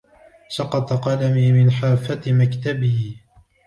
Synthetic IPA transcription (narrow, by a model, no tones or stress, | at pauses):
sɑqɑt̪ˤɑqɑlamiːmɪnħaːfːat̪makt̪abiː